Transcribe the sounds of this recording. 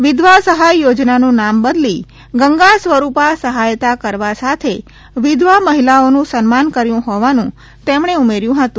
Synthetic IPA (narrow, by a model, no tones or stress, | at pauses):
ʋɪd̪ʋasəɦajːod͡ʒnanũnambəd̪li | ɡəŋɡasʋəɾupasəɦajt̪akəɾʋasat̪ʰe | ʋɪd̪ʋaməɦilaonũsənmankəɾjũɦɔʋanũ | t̪emɳ̃eumeɾjũɦət̪ũ